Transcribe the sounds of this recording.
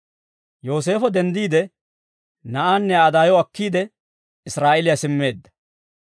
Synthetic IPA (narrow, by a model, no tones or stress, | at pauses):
jo̞ːs̬e̞ːfɔd̪ɛnd̪iːd̪ɛ | nɐʔaːnːɛaːd̪aːjɔɐkːiːd̪ɛ | ɪsɾaːʔɛlɪjasɪmːe̞ːd̪ːɐ̥